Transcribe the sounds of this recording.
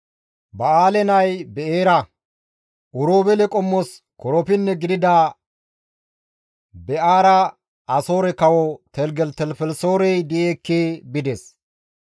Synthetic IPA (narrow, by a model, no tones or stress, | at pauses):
bɐaːlɛnɐjbɛʔeːɾɐ | ʔʊɾoːbɛlɛkʼɔmːɔs | kɔɾɔpɪnːɛɡɪd̪ɪd̪a | bɛʔaːɾɐ | ɐso̞ːɾɛkɐwɔt̪ɛlɡɛlt̪ɛlfɛlso̞ːɾɛjd̪ɪjeːkːeːbɪd̪es